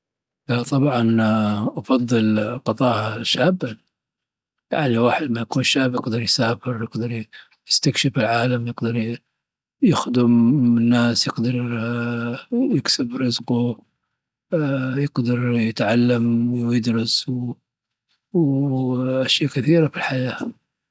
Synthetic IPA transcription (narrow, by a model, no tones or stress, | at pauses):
at̪ˤɑbʕɑnʔɑfɑðˤːɨlqɑt̪ˤɑːhaʃaːbːan | ja̰ʕniwaːħɪd̪majakuːnʃaːbjɪqd̪ɑɾˤjsaːfɪɾjɪɡd̪ɑɾˤ | jɪst̪akʃɪfɪlʕaːlamjɪɡd̪ɑɾˤ | jɪxd̪ʊmɪnːaːsjɪɡd̪ɑɾˤ | jɪksɪbɾɪzqu | jɪɡd̪ɑɾˤjɪt̪ʕalːamwjɪd̪ɾˤɑsw | w | ʔaʃjaːkɪθiːɾafilħajaː